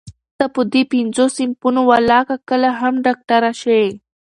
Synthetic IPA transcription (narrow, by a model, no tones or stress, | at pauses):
t̪apod̪ipinzosimpunowalɑkakəlaɦamɖɑk̚ʈaɾaʃe